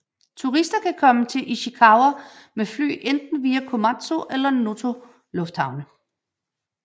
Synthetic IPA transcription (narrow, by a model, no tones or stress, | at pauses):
t͡sʰuʁisd̥ɐkʰækʰɒ̽mət͡sʰe̝ʔiɕikʰɑ̈ʊɐmefly̰ːʔend̥̚n̩ʋiːækʰo̝mæ̥t͡sʰo̝ʔelɐno̝t͡sʰo̝ | lɔ̽fd̥hɑ̈ʊnə